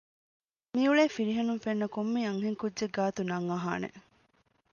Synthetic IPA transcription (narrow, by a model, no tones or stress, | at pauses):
miuɭeːfiɾiɦɐnuŋfenːɐkomːiːɐŋɦeŋkudːʒeɡaːt̪unɐŋːɐɦa̰ːnḛ